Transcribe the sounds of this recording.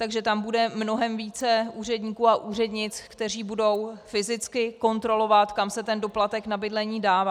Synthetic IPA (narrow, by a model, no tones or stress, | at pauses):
t̪aɡʒɛt̪ambudɛmno̞ɦɛmviːt͡sɛuːr̝ɛdɲiːkuːaʔuːr̝ɛdɲɪt͡skt̪ɛr̝iːbudo̞wfɪzɪt͡skɪko̞nt̪ɾo̞lo̞vat̪kamsɛt̪ɛndo̞plat̪ɛknabɪdlɛɲiːdaːvaː